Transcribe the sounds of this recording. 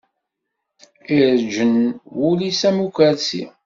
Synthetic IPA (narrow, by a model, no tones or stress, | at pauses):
iɾd͡ʒənwulisæmukʷæɾsḭ